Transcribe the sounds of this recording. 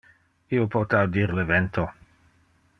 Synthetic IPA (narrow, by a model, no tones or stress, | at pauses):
iopʰot̪awdiʁlevɛnt̪ʰo